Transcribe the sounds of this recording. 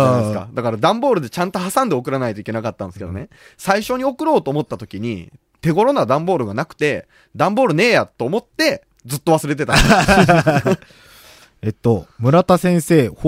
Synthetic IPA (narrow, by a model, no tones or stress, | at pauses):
d̪eska̰d̪akaɾad̪ãmbo̞ːɾɯ̟d̪e̞t͡ɕãnt̪o̞ɦasãnd̪e̞o̞kɯ̟ɾanait̪oikʲe̞nakat̪ːãnd̪esɨ̥ke̞d̪o̞̰ne̞ | saiɕo̞ɲ̟io̞kɯ̟ɾo̞ːt̪o̞ːmo̞t̪ːat̪okʲiɲ̟ḭ | t̪e̞ɡo̞ɾo̞nad̪ãmbo̞ːɾɯ̟ɡanakɯ̟̥t̪e̞ | d̪ãmbo̞ːɾɯ̟ne̞ːjat̪ːo̞ːmo̞t̪ːe̞ | d͡zɨt̪ːo̞β̞asɨɾe̞t̪̬e̞t̪ã | et̪ːomɯ̟ɾat̪asẽ̞ɰ̃se̞ːh